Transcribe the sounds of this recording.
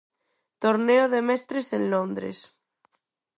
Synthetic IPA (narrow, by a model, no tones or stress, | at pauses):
t̪oɾneoðemɛst̪ɾesẽnlõnd̪ɾḛs